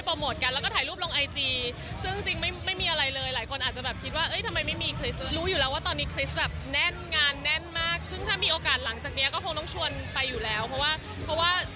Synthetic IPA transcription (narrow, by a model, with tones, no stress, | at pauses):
jpɔː˧moː˨˩t̪̚ka˧nlɛː˦˥wkɔː˥˩tʰaː˩˦luː˥˩lo˧ŋʔa˧jt͡ɕiː˧ | sɯ˥˩ŋ˥˩t͡ɕi˧ŋma˥˩jma˥˩jmiː˧ʔa˧ɾa˧jlɤː˧jlaː˩˦jkʰo˧nʔaː˨˩t̪̚t͡ɕa˨˩bɛː˨˩p̚kʰi˦˥t̪̚waː˥˩ʔɤ˦˥˩jt̪ʰa˧ma˧jma˥˩jmiː˧kʰli˦˥sɾuː˦˥juː˨˩lɛː˦˥waː˥˩t̪ɔː˧nːiː˦˥kʰli˦˥st̪̚bɛː˨˩p̚nɛ˥˩nŋaː˧nːɛ˥˩nmaː˥˩k̚sɯ˥˩ŋt̪ʰaː˥˩miː˧ʔoː˧kaː˨˩t̪̚la˩˦ŋt͡ɕaː˨˩k̚ni˦˥ɐkɔː˥˩kʰo˧ŋt̪ɔ˥˩ŋt͡ɕʰu˧ənpa˧jːuː˨˩lɛː˦˥wpʰɔ˦˥waː˥˩ | pʰɔ˦˥waː˥˩